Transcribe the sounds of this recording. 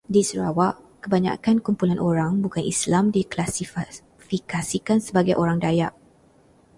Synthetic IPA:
disəɾawaʔ | kəbaɲa̰kankumpulanʔoɾaŋbukanʔislamdiklasi | fikasikansəbaɡajʔoɾaŋdajaʔ

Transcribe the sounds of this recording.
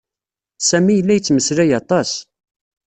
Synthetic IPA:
sæmijəlːæjət͡sːməsɾæjɑt̪ˤɑs

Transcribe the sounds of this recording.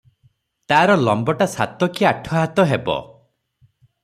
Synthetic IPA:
t̪aːɾɔlɔmbɔʈasa̰t̪ɔkiaʈʰɔɦat̪ɔɦebɔ̰

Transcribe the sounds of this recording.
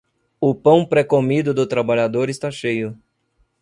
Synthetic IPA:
ʊpɐ̃w̃pɾekomid̪ʊd̪ʊt̪ɾabaʎad̪oɾɪst̪aʃejʊ

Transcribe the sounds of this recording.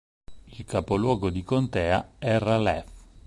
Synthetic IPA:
ilkʰapolwɔːɡod̪ikont̪ɛːaɛralɛf

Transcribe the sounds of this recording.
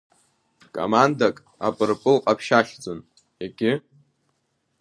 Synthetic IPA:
kʼo̰mandakʼ | a̰pʼɨrpʼɨlqʼapʰʃaχʲd͡zon | jaɡʲɪ

